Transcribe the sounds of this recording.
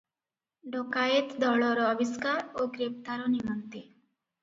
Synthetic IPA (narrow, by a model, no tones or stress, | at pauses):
ɖɔkaet̪d̪ɔɭɔɾɔːbiskaɾoɡɾept̪aɾɔnimɔnt̪i